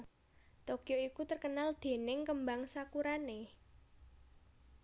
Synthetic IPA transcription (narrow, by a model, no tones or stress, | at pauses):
t̪okijoikut̪ərkənald̪̥e̤nɪŋkəmbaŋsakuɾane